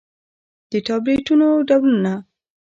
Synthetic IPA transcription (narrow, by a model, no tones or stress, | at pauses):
d̪̥əʈɑbɾeʈunoɖawluna